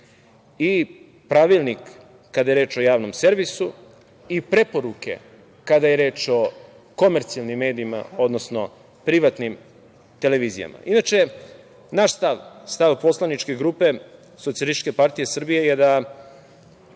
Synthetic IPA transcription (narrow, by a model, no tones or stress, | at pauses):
i | pɾaʋilˠnikː | ad̪aje̞ɾe̞ːt͡ʃo̞jaːʋno̞mse̞ɾʋisu | ipɾe̞po̞ɾuke̞̰ | kad̪ajeɾe̞ːt͡ʃo̞ | ko̞meɾt̪sijalˠnimːe̞ːd̪iima̰o̞d̪nosno̞ | pɾiʋat̪nim | t̪e̞leʋiːzḭja̰ma̰ʔinat͡ʃe | naʃst̪aʋst̪aʋpo̞slˠanit͡ʃke̞ɡɾuːpe̞ | sot̪sijalist̪i̥t͡ʃʃkepaɾt̪ije̞srbijejed̪a